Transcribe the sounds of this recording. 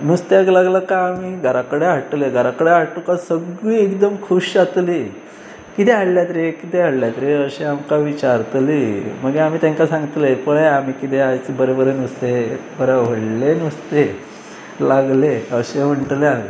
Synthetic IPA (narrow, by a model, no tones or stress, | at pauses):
nust̪aɡlaɡləkaːmiɡʱəɾakəɽeɦaʈleɡʱəɾakəɽeɦaʈukasəɡiːekd̪əmkʰuɕat̪li | kit̪eɦaɽljat̪ɾekit̪eɦaɽljat̪ɾeəɕeamkaʋit͡ɕaɾt̪liməɡeam̤iːt̪jãŋkasãŋɡt̪lepəɭaamikit̪eajt͡sbəɾebəɾenust̪ebəɾaʋ̤əɽlenust̪e | laɡleəɕem̤əɳʈlja